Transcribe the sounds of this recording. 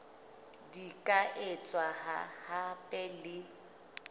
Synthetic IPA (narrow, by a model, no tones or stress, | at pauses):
dikʼaʔɪt͡sʼwaha̰hapʼɛlɪ